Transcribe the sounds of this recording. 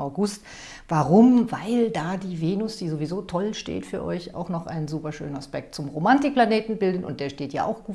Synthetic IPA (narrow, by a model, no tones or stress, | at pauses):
ʔaʊɡʊst | v̥aʁʊmvaɪldaːdiːveːnʊsd̥iːzovizoːtʰɔlʃtḛːtfyːɐʔɔ̰ʏça̰ʊxnɔχʔa̰ɪnənzuːpɐʃø̰ːnənaspɛk̚t̚t͡sʊmʁomantɪk̚planeːtn̩bɪldənʊ̰ntd̥eːɐʃteːtja̰ːʔa̰ʊxɡ̥uː